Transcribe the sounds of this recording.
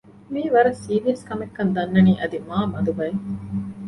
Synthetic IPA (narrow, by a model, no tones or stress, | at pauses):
miːʋɐɾɐsiːʋiɐskɐmekːɐnd̪ɐnːɐniːʔɐd̪imaːmɐd̪ubɐe